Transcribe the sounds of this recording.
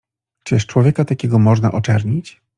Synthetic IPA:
t͡ʂɘʂt͡ʂwɔvʲjɛkat̪akʲɛɡɔmɔʐnaʔɔt͡ʂɛɾɲit͡ɕ

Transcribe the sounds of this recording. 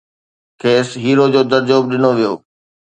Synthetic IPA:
kʰeːsɦiːɾod͡ʑoːd̪ɐɾd͡ʑoːb̚ɗɪnoʋijo̰ː

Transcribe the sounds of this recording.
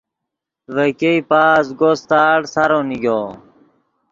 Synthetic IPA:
ʋekeipaːsɡost̪aːɽsaɾoːniɡjoː

